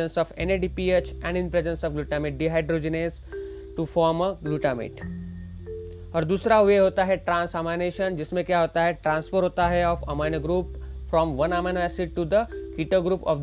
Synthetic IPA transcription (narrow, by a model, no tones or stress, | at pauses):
ə̃nsɔːfẽneɖipiet͡ʃɛ̃ɳɖɪ̃npɾezə̃nsɔːfɡluːʈamɪʈ̚ɖiɦaɪɖɾoːd͡ʒɪneːz | ʈufɔːɾməɡluʈamɪ̰ʈ | ɔːɾd̪uːsɾaɦʊʋeɦoːt̪aɦɛʈɾãːnsamaɪneːʃənd͡ʒɪsmẽkjaɦoːt̪aɦɛʈɾãːnsfəɾɦoːt̪aɦɛɔːfɐ̰maɪnəɡɾuːpfɾɔ̃ːmʋɐ̃namə̃nʋɛsɪʈud̪əkiːʈəɡɾuːpɔ̰ːf